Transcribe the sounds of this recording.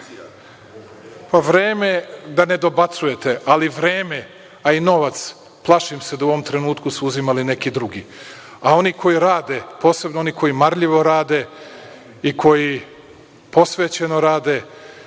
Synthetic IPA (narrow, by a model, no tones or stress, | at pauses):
paʋɾeːmed̪ane̞d̪o̞bat̪suje̞t̪e̞ʔaliʋɾeːme | aino̞ʋat̪s | plˠaʃimse̞d̪auoʋomt̪ɾe̞nuːt̪kusuuzimaline̞kid̪ɾuɡi | ao̞nikʰo̞jiɾaːd̪epo̞ːse̞bnoo̞nikʰo̞jimaɾʎiʋo̞ɾaːd̪e̞ | ikʰo̞ji | po̞sʋe̞ːt͡ɕe̞no̞ɾaːd̪e̞